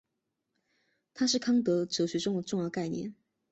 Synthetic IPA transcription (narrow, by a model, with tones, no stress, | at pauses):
t̪ʰa˥ʂɻ̩˥˩kʰɑ˥ŋt̪ɤ˧˥ʈ͡ʂɤ˧˥ɕɥɛ˧˥ʈ͡ʂʊ˥ŋd̪ə˨˩ʈ͡ʂʊ˥˧ŋjɑ˥˧ʊka˥˩ɪnjɛ̰˥˩n